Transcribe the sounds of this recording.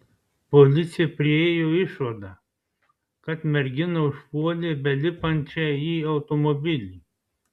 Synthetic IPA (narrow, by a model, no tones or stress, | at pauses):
polʲɪt̪sʲɪjɛpʲɾʲɪɛːjoːɪʃʋɐd̪ɑ | kɐt̪mʲɛɾʲɡʲɪnoʊʃpuɔlʲebʲɛlʲɪpɐnʲt͡ʃʲɛiːɐʊt̪omobʲɪlʲiː